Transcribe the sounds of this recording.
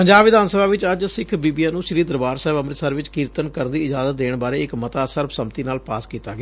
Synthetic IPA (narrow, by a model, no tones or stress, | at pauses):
pəɲd͡ʒaːbʋɪd̪aːnsəbaːʋɪt͡ʃəd͡ʒsɪkʰbiːbiːaːnũːʃɪɾiːd̪əɾbaːɾsɛːbəmɾɪt̪səɾʋɪt͡ʃkiːɾt̪ənkəɾnd̪iːɪd͡ʒaːzət̪̚d̪eːɳbaːɾeːɪkmət̪aːsəɾbsəmt̪iːnaːlpa̰ːskiːt̪aːɡeaː